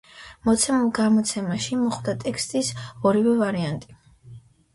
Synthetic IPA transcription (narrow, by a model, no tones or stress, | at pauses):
mɔt̪sʰɛmulˠɡamɔt̪sʰɛmaʃimɔχwd̪at̪ʼɛkʰst̪ʼisɔɾivɛvaɾiant̪ʼi